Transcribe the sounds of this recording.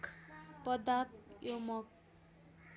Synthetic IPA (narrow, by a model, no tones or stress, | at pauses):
kʰpʌd̪at̪jomʌk̚